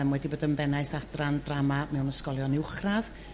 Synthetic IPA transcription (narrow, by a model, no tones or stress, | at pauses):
mwɛdiboːdənbɛnajθadrandramamɛwnəskɔlˠjɔnɪwχrað